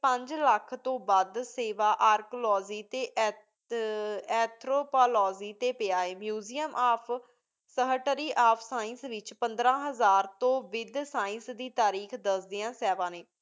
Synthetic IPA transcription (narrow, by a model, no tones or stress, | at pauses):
pə̃ɲd͡ʒləkʰt̪õːbəd̪seːʋaːʔaːɾklɔːziːt̪eːʔ | ɛːt̪ʰɾoːpaːlɔːziːt̪eːpɪaːeːmjuːzijəmʔaːpʰ | səɦəʈəɾiːʔaːpʰsaːɪ̃nsʋɪt͡ʃpənd̪ɾãːɦəzaːɾt̪õːʋɪd̪saːɪ̃nsd̪iːt̪aːɾiːkʰd̪əsd̪ɪjãːsɛːʋãːneː